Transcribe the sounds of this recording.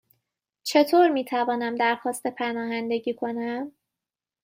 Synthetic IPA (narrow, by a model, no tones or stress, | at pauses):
t͡ʃʰe̞t̪ʰoːɾmiːt̪ʰævɒːnæmd̪æɾxɒːst̪e̞pʰænɒːɦænd̪e̞ɟiːkʰo̞næm